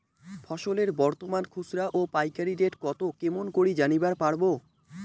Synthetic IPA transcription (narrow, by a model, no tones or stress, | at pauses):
fʰɔʃoleɾbɔɾt̪omankʰusɾaʔopajkaɾiɖeʈkɔt̪okemonkoɾid͡ʑanibaɾpaɽbo